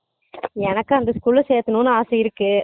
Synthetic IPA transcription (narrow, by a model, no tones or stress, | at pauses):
ɛnɐkːɯɐnd̪ɐskuːlɐseːt̪ːɯnũːnːɯaːsɐjɪɾɯkːɯ